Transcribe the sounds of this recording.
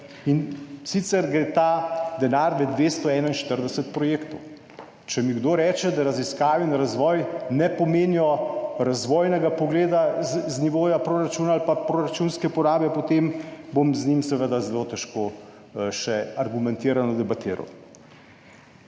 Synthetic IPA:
insit̪sɛɾɡɾeːt̪aːd̪ɛnaːɾmɛd̪ʋeːst̪ɔɛːnainʃt̪əɾd̪ɛsət̪̚pɾɔjeːkt̪ɔw | t͡ʃɛmiɡd̪oːɾɛːt͡ʃɛd̪aɾaziskaːʋinɾazʋɔːjnɛpɔmeːnijɔɾazʋɔːjnɛɡapɔɡleːd̪azniʋoːjapɾoːɾat͡ʃuːnaːlpapɾoɾat͡ʃuːnskɛpɔɾaːbjɛpot̪embomznimsɛʋəd̪azɛlot̪ɛʃkoː | ʃɛaɾɡumɛnt̪iːɾanɔd̪ɛbat̪iːɾa̰w

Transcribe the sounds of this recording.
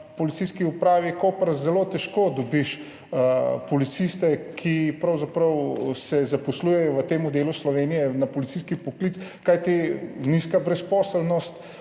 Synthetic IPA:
pɔlit̪siskiupɾaːʋikopəɾzɛlot̪ɛʃkod̪ɔbiʃ | pɔlit̪sist̪ɛkʰipɾɐwzapɾɐwsɛzapɔsluːjɛjɔʋət̪eːmɔd̪eːluslɔʋeːnijɛnapɔlit̪siskipɔklit̪skajt̪iniskabɾɛspɔːsəlnɔst̪

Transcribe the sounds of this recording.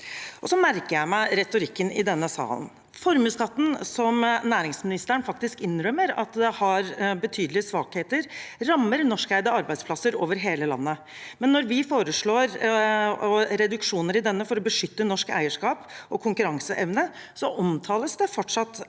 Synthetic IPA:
ʔɔsɔmæɾkəjæɪmæɪɾɛt̪ʊɾɪkːənɪd̪ɛnːəsɑ̰ːlə̰n | fɔɾmʉːskɑt̪ːn̩sɔmnæːɾɪŋsmɪnɪst̪əɾəɳfɑk̚t̪ɪskɪnːɾœmːəɾɑ̰t̪d̪ɛhɑɾbət̪ʰyːd̪əlɪəsʋɑːkheːt̪əɾɾɑmːəɾnɔʂkæɪd̪əɑɾbæɪd̪splɑsəɾoːʋəɾɦeːləlɑ̰nːə | mɛnːɔɾʋɪfoːɾəʂɭoːɾ | ɔɾɛd̪ʉkʂuːnəɾɪd̪ɛnːəfɔɾɔbəʂʏt̪ːənɔʂkæ̰ɪəʂkɑːpʔɔkʰʊŋkʉɾɑŋsəʔɛʋnəsɔʔɔmt̪ʰɑːləsd̪ɛfɔʈʂɑt̪ː

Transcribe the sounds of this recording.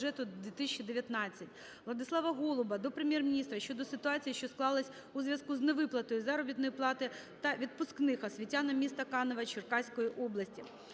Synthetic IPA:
ɛt̪ʊd̪ʲʋʲit̪ɪsʲt͡ʃːɪd̪eʋʲjɐt̪nɑt͡sʲːɐtʲ | ʋlˠɐd̪ɪsˠɑʋɐɦɔlˠʊbɐd̪ɔpɾemʲjɛrmʲinʲist̪ɾɐʃʲt͡ʃɔd̪ɔsɪt̪ʊɑt͡sʲijiʃʲt͡ʃɔsklˠɑlˠɪsʲ | uzʋʲjɐskuzneʋɪplˠɐt̪ɔjʊzaɾɔbʲit̪nɔjiplˠɑt̪ɪ | t̪ɐʋʲid̪̚pʊsknɪxɐsʲʋʲitʲːanɐmʲist̪ɐkɑnɔʋɐt͡ʃɪrkɑsʲkɔjiʔɔblˠɐsʲtʲi

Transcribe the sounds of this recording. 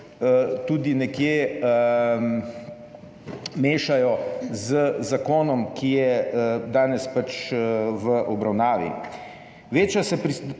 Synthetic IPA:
t̪uːd̪inɛkjeə | meːʃajɔzəzakoːnɔmkʰijɛəd̪aːnɛspat͡ʃʋəʔɔbɾawnaːʋḭ | ʋeːt͡ʃjasɛpɾi

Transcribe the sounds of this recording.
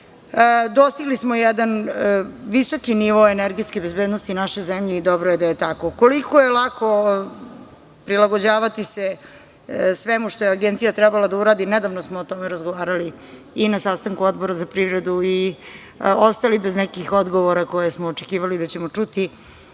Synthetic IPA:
d̪o̞st̪iɡlismojɛd̪an | ʋiso̞kiniʋo̞ːeneɾɡiskebezbeːd̪nost̪inaʃo̞jzemʎed̪obɾojed̪ajet̪akoko̞likojelˠakʰo | pɾilaɡod͡ʑaːʋat̪ise | sʋemuʃt̪ojeaɡent̪sijat̪ɾɛbalad̪auɾaːd̪ined̪aʋnosmoːt̪o̞meɾazɡoʋaːɾaliː | nasast̪aŋkuod̪bo̞ɾazapɾiʋɾed̪ui | ost̪alibeznɛkixod̪ɡo̞ʋoɾako̞jesmoːt͡ʂekiːʋalid̪at͡ɕemot͡ʂut̪i

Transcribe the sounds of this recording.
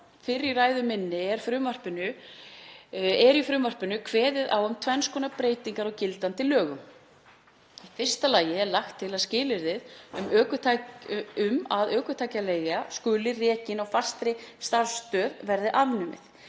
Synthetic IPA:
fɪɾːiraːjðʏmɪnːɪɛɾ̥fɾʏːmvar̥pɪnʏ | ɛɾifɾʏːmvar̥pɪnʏkʰvɛːðɪða̰ːwʏmt̪ʰvɛnskʰɔːnapɾeːjt̪iŋkaɾɔwcɪlt̪ant̪ɪlœːɣʏm | ifɪr̥st̪alaːjɪɛɾlaxt̪ʰːɪlaðscɪːlɪɾðɪðʏmœːkʏt̪ʰaʏmaðœːkʏt̪ʰaːjcaleːjɣaskʏːlɪrɛːcɪnawfḁst̪ɾɪst̪aɾst̪œːðvɛɾðɪʔavnʏmɪ̰θ

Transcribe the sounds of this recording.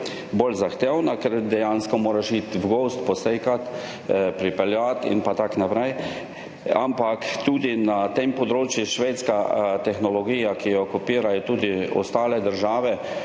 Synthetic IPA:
bolzaxt̪eːwnakɛɾd̪ɛjanskɔmoːɾaʃit̪vɡost̪pɔsekat̪ | pɾipɛljat̪ḭnpat̪aknapɾɛj | a̰mpakt̪uːd̪inat̪empɔd̪ɾoːt͡ʃjuʃʋeːt̪skat̪ɛxnɔlɔɡiːjakijɔkɔpiːɾajɔt̪uːd̪iɔ̰st̪aːlɛd̪əɾʒaːʋɛ

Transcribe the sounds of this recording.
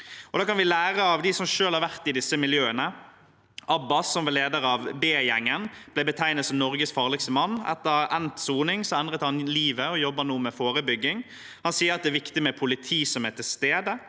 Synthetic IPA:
ɔd̪ɑːkɑnʋɪlæːʁəɑʋd̪ɪsɔmʂøːlhɑɾʋæʁt̪ɪd̪ɪsəmɪljøːənə | ʔɑbːɑsːɔmʋɑleːd̪əɾɑʋbeːjɛŋːənb̥lɛɪbət̪ʰæɪnət̪sɔmnɔɾɡəsfɑːʁlɪkst̪əmɑnːɛ̰t̪ːəɾɛnt̪suːnɪŋsɔɛnd̪ʁət̪hɑnliːʋəɔjɔbːənuːmɛfoːɾəbʏɡːɪŋ | hɑnsiːəɾɑt̪̚d̪ɛæːɾʋɪkt̪ɪmɛpʰʊlɪt̪ʰiːsɔmɛt̪ʰɪlst̪eːd̪ə

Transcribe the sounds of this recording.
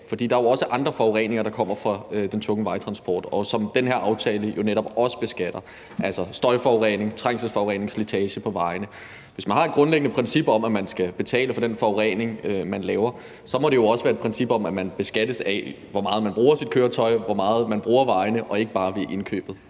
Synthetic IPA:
fɒd̥ḭːd̥ɑ̈æjoɒ̽səʔɑ̈nd̥ʁɐfɒʊʁɛ̰ːne̝ŋɐɾ̥ɑ̈kʰɒ̽m̰ɐfʁɑ̈ød̥ent͡sʰɔ̽ŋəʋɑ̈ɪt͡sʰʁɑ̈nsb̥ɒ̰ːd̥ɒ̽sɒ̽md̥enɦheɐɑ̈ʊt͡sʰɛːləjo̝neɾɒ̽b̥ɒ̽sə̥b̥e̝sɡ̥æd̥ɐ | ʔælsɒ̽sd̥ɒ̽ɪfɒʊʁɛ̰ne̝ŋt͡sʰʁaŋ̰səlsfɒʊɛ̰ːne̝ŋslet͡sʰɛːɕəpʰɒ̽ʋɑ̈ɪnə | ʋe̝smænhɑ̈ed̥̚ɡ̥ʁɔ̽nleɡ̥ənəpʰʁɛnsib̥ɒ̽mæmænsɡ̥æb̥e̝t͡sʰɛ̰ːləfɒ̽d̥enfɒʊʁɛ̰ne̝ŋømænlɛːʊɐ | sɒ̽mɒ̽dɾe̝jo̝ɒ̽səʋæːɐed̥̚pʰʁɛnsib̥ɒ̽mæmænb̥e̝sɡ̥æd̥əsæ | ʋɒmɑ̈ːð̩ˠmænb̥ʁuːɐsid̥̚kʰøːɐt͡sʰɒ̽ɪʋɒmɑ̈ːð̞̩ˠmænb̥ʁuːɐʋɑ̈ɪnəʔɒ̽e̝ɡ̥əb̥ɑ̈ːʋe̝ʔe̝nkʰø̰ːb̥ð̩ˠ

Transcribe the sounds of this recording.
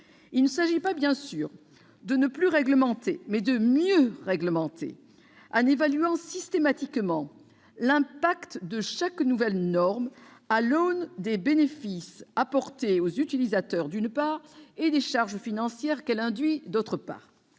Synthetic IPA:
ilnəsaʒipabjɛ̃syːʁ | d̪ənəplyʁɛɡləmɑ̃t̪ʰemɛd̪əmjøʁɛɡləmɑ̃t̪ʰḛ | ɑ̃nevalyɑ̃sist̪emat̪ikmɑ̃ | lɛ̃pakt̪d̪əʃaknuvɛlnɔʁmalɔnd̪ebenefisapɔʁt̪eozyt̪ilizat̪œʁd̪ynpaːʁed̪eʃaʁʒfinɑ̃sjɛʁkɛlɛ̃d̪ɥid̪ot̪χəpa̰ːʁ

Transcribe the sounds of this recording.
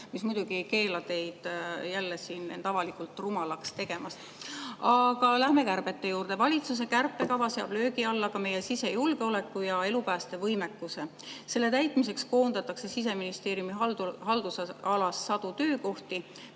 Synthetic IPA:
mismujd̪uɡ̥iejke̞ːlɑt̪e̞jd̪̥jælːesiːnḛnt̪ɑvɑlikult̪ːˑrumɑlɑkst̪e̞ɡ̥e̞mɑst̪ | ɑɡ̥ɑlæhme̞kærb̥e̞t̪ːe̞juːrd̪̥e̞vɑlʲit̪sus̬e̞kærpːˑe̞kɑvɑseɑb̥lø̞ːɡiɑlːɑkɑme̞je̞sise̞julɡ̥e̞o̞le̞kːˑujɑe̞lupæːst̪e̞vɤjme̞kːˑuse̞ | se̞lːe̞t̪æjt̪ˑmise̞ksko̞ːnd̪ɑt̪ːˑɑkse̞sis̬e̞minist̪e̞ːɾjumiɑld̪hɑld̪̥usɑlɑsːɑd̪̥ut̪ø̞ːko̞ht̪i

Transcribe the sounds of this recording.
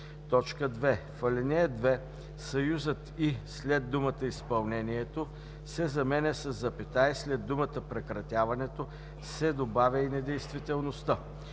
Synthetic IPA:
t̪ɔt͡ʃkəd̪vɛfɐlʲɛnɛd̪vɛ | sɐjuzət̪islɛd̪̚d̪umət̪əispɐlˠnɛniɛt̪o | sɛzɐmɛnɛsəzːɐpɛt̪aislɛd̪ːumət̪əpɾɛkɾɐt̪ʲjavɐnɛt̪o | sɛd̪obavʲɐinɛd̪ɛjst̪vit̪ɛlˠnost̪ə

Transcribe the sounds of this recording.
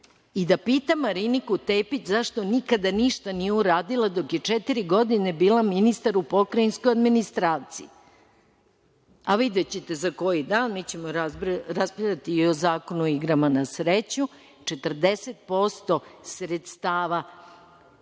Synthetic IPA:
id̪apiːt̪amaɾinikut̪eːpit͡ɕzaʃt̪o̞nikad̪aniʃt̪anijeuɾaːd̪ilˠad̪o̞kje̞t͡ʂet̪iɾiɡo̞d̪ine̞biːlaminist̪aɾupokɾainsko̞jad̪minist̪ɾaːt̪sḭi | aʋid̪et͡ɕet̪e̞zako̞jid̪aːnmit͡ɕe̞moɾaɾaspiʎʲat̪iːozaːko̞nuoiɡɾamanasɾet͡ɕɲu | t͡ʂe̞t̪r̩d̪eset̪̚po̞st̪o̞sɾet̪st̪aːʋa

